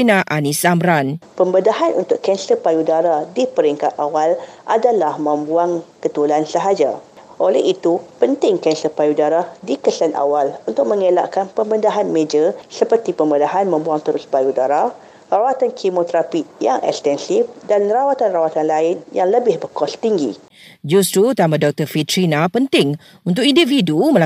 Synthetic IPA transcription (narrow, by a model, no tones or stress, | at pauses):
inãʔanĩsamɾanpəmbədaɦanʔunt̪ʊʔkɛnsəpajudaɾadipəɾiŋkat̪awalʔadalahmə̃mbuaŋkət̪ulansəɦad͡ʒaʔolɛhit̪upənt̪ɪŋkɛnsəpajudaɾadikəsanʔa̰walunt̪ʊk̚mə̃ŋela̰ʔkanpəmbədaɦanmẽd͡ʒəsəpərt̪ipəmədaɦanmə̃mbuaŋt̪əɾʊspajudaɾa | rawat̪ankʰimot̪ɾapiʔjaŋʔɛ̰kst̪ɛnsɪfdanrawat̪anrawat̪anlaɪnjaŋləbɪhbəkɔst̪iŋɡḭ | d͡ʒust̪ɾut̪amãdɔk̚t̪əfit̪ɾinapənt̪ɪŋ | unt̪̬ʊk̚indifidumə̃la